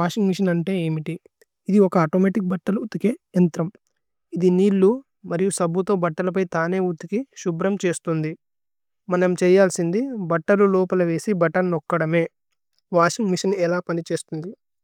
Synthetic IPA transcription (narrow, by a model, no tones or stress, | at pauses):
aːʂiŋɡmiʂɐnɐɳʈe̞ːeːmiʈiː | d̪iɔkɐaːʈoːmeːʈik̚bɐʈːɐluut̪ːukeːɐnt̪ɾɐm | id̪iniːlːu | mɐɾijusɐbʱut̪o̞ːbɐʈːɐlɐp̬ɐjt̪aːne̞ːut̪ːukiʃubɾɐmt͡ʃe̞ːst̪und̪i | mɐnɐmt͡ʃɛːjaːlsind̪ibɐʈːɐlulɔːpɐlɐʋe̞ːsibɐʈɐnːɔkːɐɽɐme̞ː | ʋaːʂiŋɡmiʂɐnɛlaːpɐnit͡ʃeːst̪und̪i